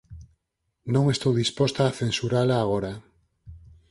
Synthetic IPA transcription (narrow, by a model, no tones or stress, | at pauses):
nõŋest̪owðispost̪aːθẽnsuɾalaːɣ̞oɾa